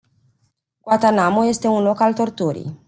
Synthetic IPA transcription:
ɡoat̪anamoje̞st̪e̞unlo̞kalt̪o̞rt̪uɾḭj

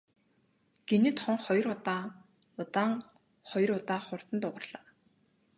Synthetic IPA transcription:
ɡ̥enɘ̆t̪χʊŋχɔj̆rʊt̪aː | ʊt̪aːŋ | χɔj̆rʊt̪aːχʊr̥t̪ə̆nt̪ʊʁə̆rɮ̥aː

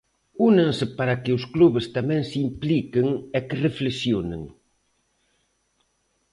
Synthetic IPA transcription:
unẽŋsɪpaɾɐkɪʊskluβɪst̪amɛ̃ŋsimplikɪŋɛkɪreflesjonḛŋ

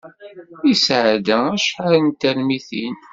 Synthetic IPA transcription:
isʕd̪ææʃħaɾənt̪ælmiθin

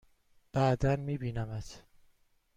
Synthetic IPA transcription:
b̥æd̪ænmiːbiːnæmæt̪ʰ

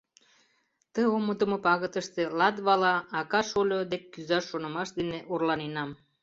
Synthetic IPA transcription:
t̪əoməd̪əmopɑɣət̪əʃt̪elɑd̪βɑlɑːkɑʃolʲod̪ekːyzɑʃːonə̆mɑʃd̪eneʔorlɑnenɑm

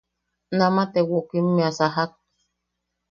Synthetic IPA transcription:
namat̪ɛwokim̩miasaɦak̚

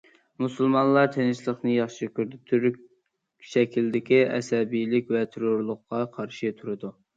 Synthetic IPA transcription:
musɨlˠmɑnlˠɑɾt̪ʰenɪʃlˠəχnɨjɑχʃɪkʰʲyɾd̪ɪt̪ʰyɾykʲ | ʃɛkʲʰild̪ɪkʲiʔɛ̰sɛbijlɪkʲvɛt̪ʰeɾʊɾlˠʊqːɑqʰɑɾʃɪt̪ʰuɾɨd̪u

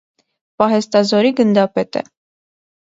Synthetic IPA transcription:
pɑɦɛst̪ɑzɔɾiɡənd̪ɑpɛt̪ə̰

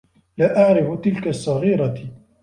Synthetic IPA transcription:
laːʔaʕɾɪfʊt̪ɪlkasˤːɑɣiːɾɑ

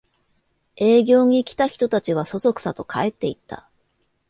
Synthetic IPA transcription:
e̞ːɡʲo̞ːɲ̟ikʲi̥t̪açi̥t̪o̞t̪at͡ɕiβ̞aso̞zo̞kɯ̥sat̪o̞kʰae̞t̪ːe̞ḭt̪ːa̰

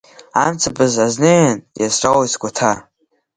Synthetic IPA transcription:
a̰mt͡sʰapʰʼɨzazneanjasʈ͡ʂʼawisɡʷatʰa

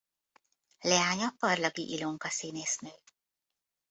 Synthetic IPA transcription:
lɛaːɲɒpːɒrlɒɡiʔiloŋkɒsineːsnøːj

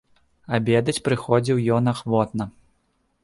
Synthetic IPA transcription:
abʲɛd̪ɐt͡sʲpɾɨxɔd͡zʲiwjɔnaxvɔt̪nɐ

